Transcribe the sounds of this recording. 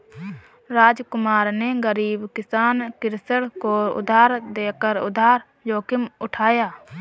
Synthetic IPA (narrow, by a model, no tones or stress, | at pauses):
ɾaːd͡ʒkʊmaːɾneɡəɾiːbkɪsaːnkɪɾsəɽkoʊ̰d̪ʱaːɾd̪eːkəɾʊ̰d̪ʱaːɾ | joːkɪmʊʈʰaːjaː